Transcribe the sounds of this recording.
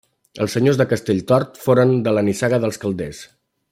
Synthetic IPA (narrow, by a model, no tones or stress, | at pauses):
ə̰lˠsəɲozðəkəst̪eʎt̪ɔɾt̪foɾənd̪ələnisaɣəðəlˠskəlˠd̪ɛs